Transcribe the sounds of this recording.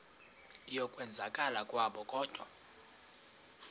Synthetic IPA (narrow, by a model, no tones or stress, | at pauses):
jɔkʼwɛnd͡zʱakʼalakʼwaɓɔkʼɔːd̥ʱwa̰